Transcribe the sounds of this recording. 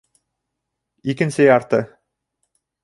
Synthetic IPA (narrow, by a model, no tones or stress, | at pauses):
ikɘ̆nsɘjɑɾt̪ɤ